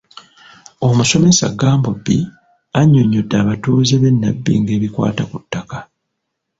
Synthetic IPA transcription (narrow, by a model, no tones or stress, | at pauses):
o̞muso̞me̞sa̰ɡaːmbobːḭ | aɲːo̞ɲːodːaːβatuːzeβenːabːḭŋɡe̞ːβikwa̰ːtakutːaka